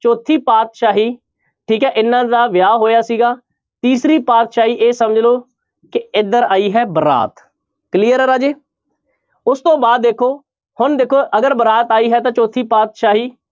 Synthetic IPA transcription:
t͡ʃoːt̪ʰːiːpaːt̪ʃaːɦiː | ʈʰiːkɦɛːʔɪnːãːd̪aːʋjaːɦoːjaːsiːɡaː | t̪iːsɾiːpaːt̪ʃaːɦiːʔeːsəməd͡ʒloː | kɪɪd̪əɾaːiːɦɛːbəɾa̰ːt̪ | kliːəɾɾaːd͡ʒeː | ʊst̪õːbaːd̪ːeːkʰoː | hʊnd̪eːkʰoːʔəɡəɾbəɾaːt̪aːiːɦɛːt̪ãːt͡ʃoːt̪ʰiːpaːt̪ʃaːɦiː

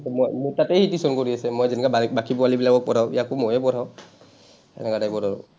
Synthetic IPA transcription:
tmojmutatɛhitisɔnkoɹiasɛmojzɛnɛkabakipɔalibilakɔk̚pɔtʰaḭjakʊmojɛpɔtʰaw | ɛ̰nɛkatajbɔdaɹɔ̰

